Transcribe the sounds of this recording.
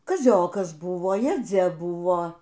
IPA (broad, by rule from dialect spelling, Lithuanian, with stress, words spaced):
kɐˈzʲoːkɐs ˈbʊʋoː jɛˈd͡zʲɛ ˈbʊʋoː